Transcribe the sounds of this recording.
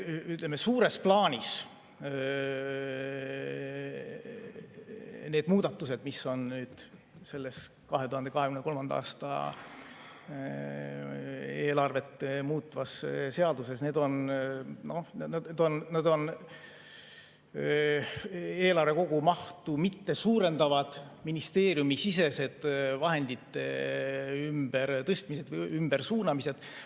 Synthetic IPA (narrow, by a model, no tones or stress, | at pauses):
yt̪lemesuːɾe̞splɑːnʲis | neːd̪muːd̪̥ɑt̪ːuse̞d̪̥misːo̞nnyːd̪̥ | se̞lːe̞s | kɑɦe̞t̪uhɑnd̪ekɑhekymnko̞lmɑnd̪ɑɑ̰ːst̪ɑ̰ | e̞ːlɑrve̞t̪ːmuːt̪ːˑvɑsse̞ɑd̪use̞sne̞ːd̪o̞nno̞nned̪o̞nnɑd̪̥o̞n | e̞ːlɑrve̞ko̞ɡ̥umɑht̪umit̪ːe̞suːɾe̞nd̪ɑvɑd̪̥minist̪e̞ːɾjumisise̞se̞d̪̥vɑɦe̞nd̪it̪ːḛ | ymb̥eɾt̪ɤst̪mise̞d̪vymb̥ersuːnɑmise̞d̪̥